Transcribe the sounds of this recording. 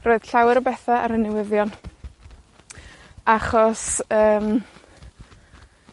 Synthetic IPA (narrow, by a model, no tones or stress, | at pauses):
roːɨd̥ɬawɛɾɔbɛθaʔaɾənɛwɪðjɔn | aχɔsəːm